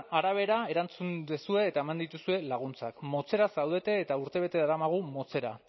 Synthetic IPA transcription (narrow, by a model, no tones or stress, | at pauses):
aɾaβ̞e̞ɾae̞ɾant͡sund̪esue̞ːt̪ae̞mand̪it̪usue̞laɣ̞unt͡sakmo̞t͡se̞ɾasawðe̞t̪e̞ːt̪auɾt̪e̞β̞e̞t̪e̞ðaɾamaɣ̞umo̞t͡se̞ɾa̰